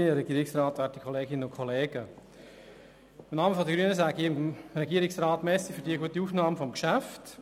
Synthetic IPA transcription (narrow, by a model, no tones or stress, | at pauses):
əɾɛɡiːɾɪksraːtʋɛːɾtikʰɔleːɡɪnənʊkʰɔleːɡə | ɪmnɑːməfɔdəɡɾyənəsæːɡiɪmɾɛɡiəɾɪksraːtmɛsifødiːəɡuətiuːfnɑːməfɔmkʃæft